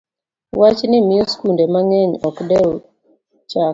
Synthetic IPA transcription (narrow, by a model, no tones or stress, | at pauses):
wat͡ʃnɪmɪɔskundemaŋɛɲɔkdɛ | t͡ʃak